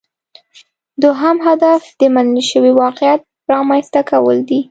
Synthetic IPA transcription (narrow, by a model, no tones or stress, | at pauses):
d̪oɦamɦad̪afd̪̥əmanəlʃəwiwɑqjat̪̚ | ɾɑmajst̪akawə̰ld̪i